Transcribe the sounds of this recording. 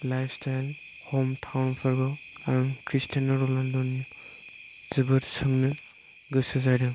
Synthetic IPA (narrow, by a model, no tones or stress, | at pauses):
lajpstʰajl | homtʰawnpʰaɾɡɔaɾuŋkʰɾistʰanɔɾɔlandɔn | zɯbɯɾsɯŋnɯ | ɡɯsɯzajdɯ